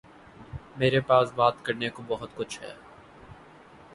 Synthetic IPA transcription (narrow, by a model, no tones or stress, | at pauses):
meːɾepaːsbaːt̪kɐɾnekobɐɦʊt̪kʊt͡ʃʰɦɛ̰ː